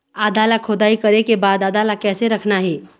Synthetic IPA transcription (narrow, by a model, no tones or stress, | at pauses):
aːd̪aːlakʰod̪aːikɐɾekebaːd̪aːd̪aːlakɛːseɾɐkʰnaɦɛː